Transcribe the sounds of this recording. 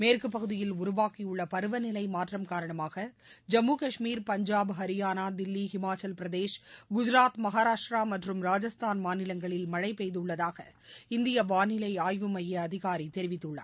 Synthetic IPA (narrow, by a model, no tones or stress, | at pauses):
meːrkɯp̬ːɐɣɯðɪjɪlʊɾʊʋaːkijɯɭːɐpɐɾɯʋɐnɪlɐɪmaːʈrɐmkaːɾɐɳɐmaːɣɐ | d͡ʒɐmːuːkɐʂmiːɾpɐɲd͡ʒaːbɦɐɾɪjaːnaːd̪ɪlːiɦɪmaːt͡ʃɐlpɪɾɐðeːʂɡʊd͡ʒɪɾaːt̪mɐɣaːɾaːʂʈɾaːmɐʈrɯmɾaːd͡ʒɐst̪ʰaːnmaːnɪlɐŋɡɐɭɪlmɐɻɐɪpːɛjðɯɭːɐðaːɣɐ̰ | ɪnd̪ɪjɐʋaːnɪlɐɪaːjʋɯmɐjɐɐðɪɣaːɾit̪ɛɾɪʋɪt̪ːɯɭːɐ̰